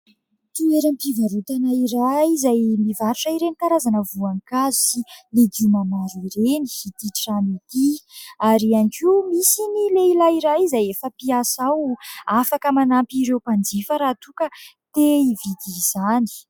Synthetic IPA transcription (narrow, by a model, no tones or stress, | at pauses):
t̪ieɾampivaɾut̪anaiɾaizajmivaɾuʈ͡ʂəiɾenik̪aɾazanəvuaŋkazu̥siled̪umamaɾiɾeni̥it̪iʈ͡ʂanit̪iaɾianikiumisinileilaiɾajzajefəpiasawafakəmanampiɾewpand͡zifəɾaːt̪ukə | t̪eivid̪iz̥ani̥